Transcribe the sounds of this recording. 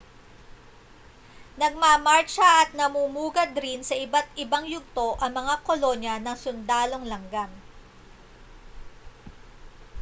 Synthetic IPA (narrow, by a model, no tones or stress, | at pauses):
nɐɡ̚mamaɹt͡ʃɐʔɐt̪̚nɐmumuːɡɐd̪ɾɪnsɐʔɪbat̪ʔɪbaŋjʊɡ̚t̪o̞ʔɐŋmɐŋakolo̞njɐnɐŋsʊnd̪aːlo̞ŋlɐŋɡaŋ